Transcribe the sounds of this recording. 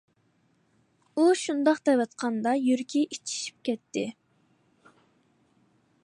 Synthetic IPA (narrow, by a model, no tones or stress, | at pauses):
uʃund̪ɑqt̪ɛjvɑt̪qʰɑnd̪ɑjyɾkʲʰiʔit͡ʃʰi̥ʃi̥p̚kʲɛt̪ʰːɪ